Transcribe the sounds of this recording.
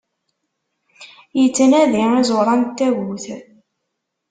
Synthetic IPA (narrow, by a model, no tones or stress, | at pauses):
jət͡sːənæðiizˤoɾˤɑnt̪ːæɣuθ